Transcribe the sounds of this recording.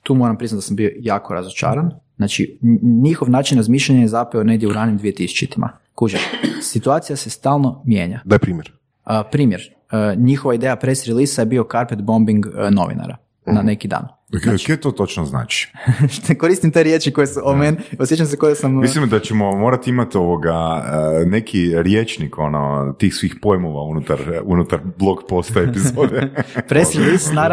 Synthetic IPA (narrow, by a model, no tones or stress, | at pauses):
t̪uːmo̞ɾampɾiznat̪asambio̞jaːko̞ɾa̰zot͡ʃa̰ːɾan | nat͡ʃḭɲixoʋnaːt͡ʃinɾazmiːʃʎaɲajezapeone̞ɡd̪jeuɾaːnimd̪ʋije̞t̪isu̥t͡ʃit̪imʔa̰ | kud͡ʒesit̪uaːt̪sijase̞st̪aːlˠno̞mjḛːɲad̪ajepɾiːmjɛɾ | əpɾiːmjeɾ | ɲixoʋaid̪ejapɾesɾilisajebio̞kaɾpet̪bo̞mbiŋɡno̞̰ʋḭna̰ɾa̰ | nanekid̪a̰ːn | ket̪oːt̪o̞t͡ʃnozna̰ːt͡ʃi̥t̪ekoɾist̪imt̪eɾjet͡ʃiko̞jesuʔomenosjet͡ʃams̬ekojasammislimd̪at͡ɕemomoːɾat̪iimat̪oʋoɡa | ne̞kʰiɾjet͡ʃniko̞no̰t̪iːxsʋiːxpo̞jmoʋaunut̪aɾunut̪aɾblˠo̞kpo̞st̪aepizod̪epɾesɾilˠisna